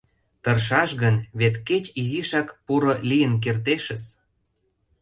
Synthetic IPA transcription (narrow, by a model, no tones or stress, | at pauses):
t̪ɤrʃɑʃɣənβet̪ket͡ɕiziʃɑkpuɾolijə̆nk̬ert̪eʃə̆s